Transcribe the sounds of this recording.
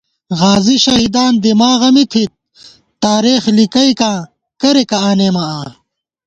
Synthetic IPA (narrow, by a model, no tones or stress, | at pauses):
ɣaːziɕɐɦid̪aːnd̪imaːɣɐmit̪ʰit̪̚ | t̪aːɾeːxlikɐikãː | kɐɾekɐaːneːmaaː